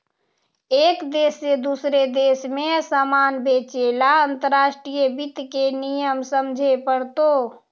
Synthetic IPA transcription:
ekd̪esːed̪usɾed̪esmesamanbet͡ʃelaənt̪əɾaʃʈɾijəbit̪kenijəmsəmd͡ʒʱepəɽt̪o

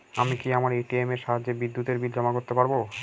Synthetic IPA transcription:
amikiamaɾeʈiemeɾʃaɦad͡ʑːebid̪ːut̪eɾbid̪ɔmakoɾt̪epaɾbo

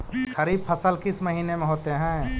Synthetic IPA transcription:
xɐɾiːb̚pʰɐsəlkɪsmɐɦiːnemẽɦoːt̪eɦɛ̃ː

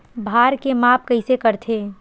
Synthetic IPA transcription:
bʱaːɾkemaːp̚kɐɪsekɐɾt̪ʰeː

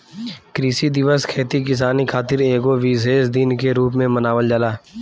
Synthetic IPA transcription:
kɾiːsid̪ɪʋəskʰeːt̪ik̬ɪs̬aːnikʰaːt̪ɪɾeːɡoʋiːzeːsd̪ɪnkeɾuːp̬mẽmənaːʋəld͡ʒalaː

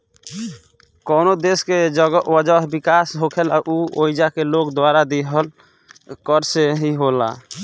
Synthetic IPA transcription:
kɔnod̪esked͡ʒəɡwəd͡ʒəɦbikasɦokʰela̰ʔuoid͡ʒakelokd̪waɾad̪eɦəl | kəɾseɦiɦola̰

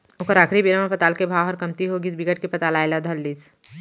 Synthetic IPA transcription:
ʊkəɾaːkʰɾibiɾamãpət̪aːlkebʱaːwɦɔɾkɐmt̪iɦoɡisbiɡəʈ̚kepɐt̪aːlaːelad̪ʱɐlːiːs

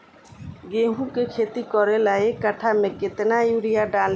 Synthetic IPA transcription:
ɡeɦũkekʰet̪ikɔɾelaekaʈʰamẽket̪naiɽijaɖãl

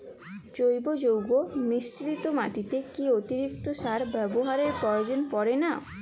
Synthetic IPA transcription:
t͡ɕojbod͡ʑowɡonisɾit̪omaʈit̪ekiot̪iɾik̚t̪oʃaɾbɛboɦaɾeɾpɾɔjod͡ʑonpɔɾena

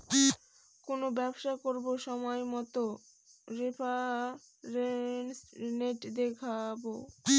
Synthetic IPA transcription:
konobɛbʃakoɾboʃɔmɔjmɔt̪o | ɾepʰa | ɾensneʈd̪ekʰabo

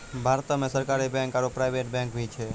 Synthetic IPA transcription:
bʱaɾt̪əmẽsəɾkaɾebɛ̃ŋkaɾopɾajʋeʈ̚bɛ̃ŋkʋit͡ʃʰe

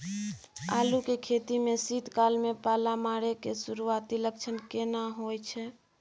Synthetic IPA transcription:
alukekʰet̪imesid̪ʱkalmepalamaɾekesuɾuat̪ilək̚t͡ʃʰənkenaɦojt͡ʃʰɛ

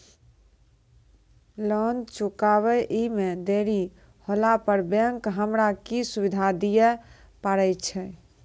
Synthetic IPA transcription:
lənt͡ʃukaβɛʔimed̪eɾi | holapəɾbəŋkɦəmɾakisubid̪ʱad̪ijɛ | paɾɛjt͡ʃʰɛ

